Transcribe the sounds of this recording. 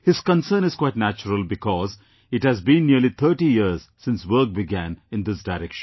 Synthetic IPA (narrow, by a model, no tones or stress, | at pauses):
hɪz̥kə̃nsə̃ːnɪz̥kwaɪʈnæt͡ʃəɾəlbɪkɔːz | ɪʈhæzbĩnːiəɾlit̪ʰəɾʈijiəɾz̥sɪ̃nsʋəɾk̚bɪɡæ̃nɪ̃nd̪ɪsɖaɪɾɛkʃə̃n